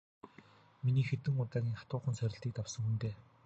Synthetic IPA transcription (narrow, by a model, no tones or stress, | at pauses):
miniːxet̪ɘ̆ŋʊt̪aːɣʲiːŋχḁt̪ʊːχə̆nsœɾʲɪ̆ɬt̪iːk̚t̪awsə̆ŋxunt̪eː